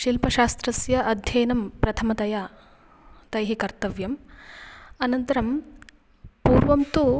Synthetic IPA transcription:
ʃilpɐʃaːst̪ɾɐsjɐʔɐd̪ʱjɐjnɐmpɾɐt̪ʰɐmɐt̪ɐja | t̪ɐjɦikɐɾt̪ɐʋjɐm | ɐnɐnt̪ɐɾɐm | puːɾʋɐmt̪u

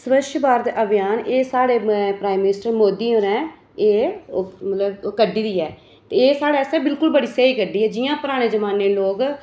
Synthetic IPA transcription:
səʋəʃbaːɾd̪eːʔəbɪjaːneːsaːɽeːpɾaːimːɪnɪsʈɾemoːd̪iːõːɾɛ̃ː | eː | mət̪ləbkəɖːiːd̪iːɛː | t̪eeːsaːɽeːsɛːbɪlkʊlbəɽiːseiːkəɖiːɛːd͡ʒɪjãːpəɾaːɽ̃eːd͡ʒəmaːneːloːɡ

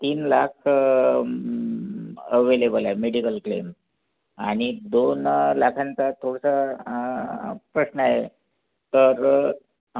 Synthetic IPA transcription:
t̪iːnlakʰ | əʋelebəlaemeɽikəlklḛm | a̰ɽ̃id̪onlakʰãnt͡sat̪ʰoɽsa | pɾəɕnəaɦe | t̪əɾ

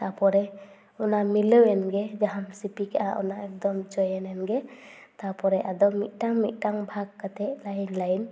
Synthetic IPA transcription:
t̪apɔɾɛ | unamilɯwɛnɡɛd͡ʒaɦamsipikʔa̰ʔṵnaɛk̚d̪ɔmd͡ʒɔjɛnɛnɡɛ | t̪apɔɾɛʔad̪ɔmḭt̪̚ˀtaŋmḭt̪̚ˀtaŋbʱaɡ̚ːat̪ɛʔlajnlajn

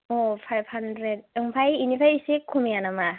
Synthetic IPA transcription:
opʰajb̚handɾed̚ɯŋpʰajinipʰajisikʰːumijanama

